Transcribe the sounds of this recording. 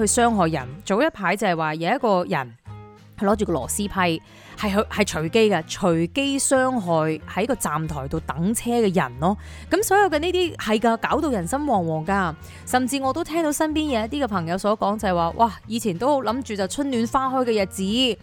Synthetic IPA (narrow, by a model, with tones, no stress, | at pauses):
hɵ˧sœː˥ŋɦɔː˨jːɐ̰˨˩nt͡so˨wjɐ˥t̚pʰaː˨˥jt͡sɐ˨hɐ˨˩jwaː˨˩jɐ˨˧˦ɐ˥t̚kɔː˧jɐ̰˨˩n | hɵ˧lɔː˨˥t͡ʃy˨˩kɔː˧lɔ̰ː˨˩siː˥pʰɐ˥j | hɐ˨jɦhɐ˨jt͡ʃʰɵ˨˩ɥke˥jkɐː˧t͡ʃʰɵ˨˩ɥke˥jsœː˥ŋɦɔː˨˩jhɐ˨˥jkɔː˧t͡saː˨mt̪ʰɔː˨˩jt̪o˨˧wt̪ɐ˨˥ŋt͡sʰɛː˥kɛː˧jɐ˨˩nlɔː˥ | kɐ˨˥msɔː˨˥jɐ˨˧wkɛ˧niː˥t̪iː˥hɐ˨jkaː˧kaː˨˥wt̪o˧wjɐ˨˩nsɐ˥mwɔː˨˩ŋwɔː˨˩ŋkaː˧ | sɐ˨˩mt͡siː˧ŋɔ˨˧t̪o˥wt̪ʰɛː˥ŋt̪o˨˥wsɐ˥npiː˥njɛ˨˧jɐ˥t̪iː˥kɛ˧pʰɐ˨˩ŋjɐ˨˧wsɔː˨˥kɔː˨˥ŋt͡sɐ˨˩hɐ˨˩waː˨˧wʔaː˧˩jiː˨˧t͡sʰiː˨˩nt̪o˥who˨˧˥wlɐ˨˥mt͡ʃyː˨t͡sɐ˨wt͡sʰɵ˥nnyː˨˧nfaː˥ɦɔ˥jkɛː˧jɐ˨t̚t͡siː˨˥